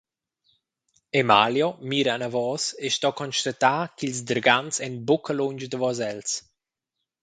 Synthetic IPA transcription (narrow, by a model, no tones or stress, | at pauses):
emaljɔmiːɾaːnavɔseʃt̪ɔkɔnʃt̪at̪aːkilzd̪əɾɡansɛnbokəloɲd͡ʒd̪əvɔzɛls